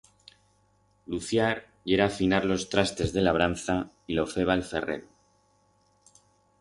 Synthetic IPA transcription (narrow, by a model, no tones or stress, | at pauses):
luθjaɾ | ʝe̞ɾafinaɾlo̞st̪ɾast̪e̞zðe̞laβɾanθa | ilo̞fe̞β̞aelfe̞re̞̰ɾo